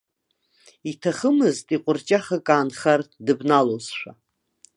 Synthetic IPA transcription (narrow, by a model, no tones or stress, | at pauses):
itʰaχəmɨztʼiqʷʼʊrt͡ʃʼaχakʼaːnχardɨbnalozʃʷᶣa